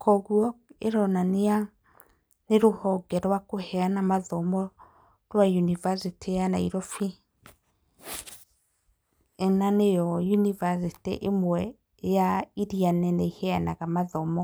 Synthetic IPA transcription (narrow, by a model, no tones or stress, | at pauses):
kʰɔɣwɔeɾɔnanea | neɾohɔɡɛɾwakohɛanamaðɔmɔ | ɾwajunivasitʰejanaiɾɔfi | ɛnanejɔjunivasitḛʔemwɛ | jaiɾianɛnɛihɛanaɣamaðɔmɔ